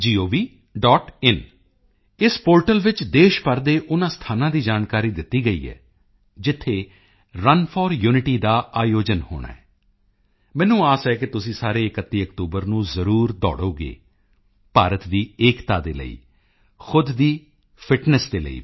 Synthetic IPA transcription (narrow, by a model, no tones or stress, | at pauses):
d͡ʒiːoːʋiː | ɖɔːʈɪn | ɪspoːɾʈəlʋɪt͡ʃd̪eːʃpəɾd̪eːʔʊnãːst̪ʰaːnãːd̪iːd͡ʒaːnkaːɾiːd̪ɪt̪ːiːɡəḭːɦɛ̰ː | d͡ʒɪt̪ʰːeː | ɾənpʰɔːɾjuːnɪʈiːd̪aːaːjoːd͡ʒənho̰ːɽ̃a̰ːɦɛː | mɛ̃ːnũːaːsɛːk̬ɪt̪ʊsĩːsaːɾeːɪkət̪ːiːəkt̪uːbəɾnũːzəɾuːɾd̪ɔ̰ːɽoːɡḛː | paːɾət̪d̪iːeːkt̪aːd̪ḛːlə̰ḭː | xʊd̪d̪iː | pʰɪʈnɛsd̪eːlə̰ḭː